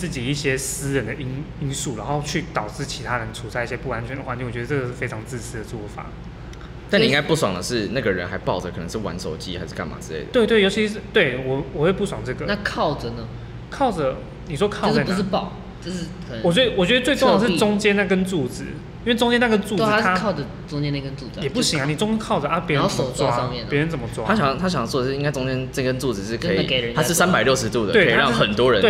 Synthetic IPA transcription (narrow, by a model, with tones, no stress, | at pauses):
t͡sɹ̩˥˩t͡ɕi˨˩i˥˩ɕjɛ˦s̩˥ɻə˨˦nd̪ə˩ʔi˥n | i˥nsu˥˩ɻa˧˦nxo˥˧ʊt͡ɕʰy˥˩t̪ɑ˨˩ʊʈ͡ʂɻ̩˥˩t͡ɕʰi˧˥t̪ʰa˦ɻə˧˦nʈ͡ʂʰu˨˩sʰa˥˧ɪi˥˩ɕjɛ˥pu˥˩wa˧˦nt͡ɕʰɥɛ˧˦ndə˧xwa˧˩ni˥˩ŋwɔ˨˩t͡ɕɥɛ˧˥ə˧ʈ͡ʂɡə˧˩ʂɻ̩˥˩fe˥ɪɑ˧˥ŋt͡sɹ̩˥˧sɹ̩˥d̪ə˨˩t͡swɔ˥fa̰˨˩˦ | t̪a˥˩ni˨ĩ˦ŋka˥ɪpu˥˩swɑ̰˨˩ŋd̪ə˩ʂɻ̩˥˧na˥˩ɡə˨ɻə̰˦nxa˧˥ɪpɑ˥˩ʊʈ͡ʂə˩kʰɤ˨˩nə˧˦ŋʂ̩˥˩wa̰˧˦nso˨˩ʊt͡ɕḭ˦ha˧˥ʂ̩˥˩ka˥˩ma̰˨˩t͡sɻ̩˥lḛ˥˩ɪəwe˥˧ɪt̪we˥˩jo˧˥ʊt͡ɕʰi˧ʂɻ̩˥˩t̪we˥˩ɪwɔ˨˩wɔ˨˩xwe˥˧ɪpu˥˩swɑ˨˩ŋʈ͡ʂɤ˥˩ɡə˩˨na˥kʰɑ˥˨ʊd͡zə˨˩nə˦ | kʰɑ˥˩ʊd͡zə˨˩ | ni˨˩ʂwɔ˦˥kʰɑ˥˧ʊ˥ʂa˥˩pu˧˩ʂɻ̩˩pɑ˥˩˨ʊ | t͡ɕo˥˧ʊʂɻ̩˥˩kʰwɔ˨˩t͡ɕɥɛ˥də˧wɔ˨˩t͡ɕɥɛ˧d̪ə˧t͡swe˥˧ɪʈ͡ʂʊ˥˧ŋ˧jɑ˨˧ŋʂɻʈ͡ʂʊ˥ŋt͡ɕjɛ˥na˥˧˩kə˦nt͡su˥˩d͡zɹ̩̰˨˦ | i˥nwe˥˩ɪʈ͡ʂʊ˥ŋt͡ɕjɛ˥na˥˩ɡə˥˦nt͡su˥˨˥a˥ɑ˥˨ʊʈ͡ʂə˨˩ | t͡sʊ˥ŋt͡ɕjɛ˥na˥˧˩kə˦nt͡su˥˧t͡sjɛ˨˩pu˥˩ɕi˨ja˥ni˨˩t͡sʊ˥ŋt͡ɕɛ˥nkʰɑ˥˩ʊʈ͡ʂə˩ʔa˥pjɛ˧˦˥ə˧˥sɔ˨˩t͡swa˥a˥ɑ˧ŋmjɛ˥˨npjɻə˧˦nt͡sə˨˩mə˦t͡swa̰˦t̪ʰa˥ɕɑ˨˩˥t̪ʰa˥ɕ̬ɑ˨ŋɑ˥˩t͡swdə˩ʂɻ̩˥˩i˥ŋka˥ɪt͡sʊ˥ŋt͡ɕjɛ˥nt͡sə˥˩kə˥nt͡su˥˩d͡zɹ̩˨˩ʂɻ̩˥˩kʰə˧˥ḭ˨ke˨˩ə˧˦a˥˧ɻ̩˥˩ssa˦npa˨˩ɪljo˥˩ʂɻ̩˧˦t̪u˥˨d̪ə̰˨k̪we˥˩˨ɻɑ˥ŋxə˨˩nt̪wɔ˦ɻə˧˦nwe˩